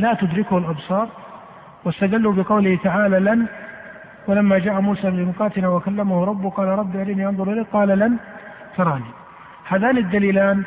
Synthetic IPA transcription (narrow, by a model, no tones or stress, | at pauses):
laːt̪ʊd̪ɾɪkʊhʊlʔɑbsˤɑːɾˤ | wɪst̪ad̪alːubɪqɑwlɪht̪aʕaːlalan | walamːad͡ʒaːʔamuːsaːlɪmʊqɑːt̪ɪnawakalːamahʊɾˤɑbːʊqɑːlaɾˤɑbːɪʔalajniʔɑnðˤʊɾʔɪlaːqɑːlalan | t̪ɑɾˤɑːni | haːðaːnɪd̪ːaliːlaːn